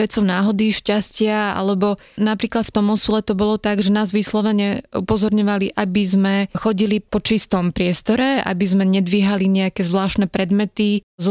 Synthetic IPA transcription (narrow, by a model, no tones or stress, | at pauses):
ʋɛt͡sɔʊnaːɦɔd̪iʃcascɪaa̰lɛbɔ | napɾiːklat̪ft̪ɔmɔsulɛt̪ɔbɔlɔt̪aɡʒɛnaːzʋislɔʋɛɲɛṵpɔzɔɾɲɔʋaliʔabizmɛxɔɟilipɔt͡ʃist̪ɔmpɾɪɛst̪ɔɾɛa̰bizmɛɲɛd̪ʋiɦaliɲɛakɛzʋlaːʃt̪nɛpɾɛd̪mɛt̪iz